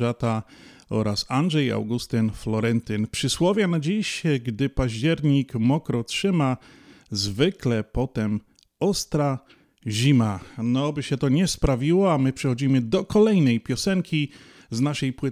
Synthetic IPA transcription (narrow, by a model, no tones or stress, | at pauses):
at̪a | ɔ̰ɾasanʐɛja̰wɡust̪ɘnflɔɾɛnt̪ɘnpʂɘswɔvʲjanad͡ʑiɕɡd̪ɘpaʑd͡ʑɛɾɲikmɔkɾɔtʂɘma | zvɘklɛpɔt̪ɛm | ɔst̪ɾa | ʑimanɔbɘɕɛt̪ɔɲɛspɾavʲiwɔamɘpʂɛxɔd͡ʑimɘd̪ɔkɔlɛjnɛjpʲjɔsɛŋkʲi | znaʂɛjpwɘ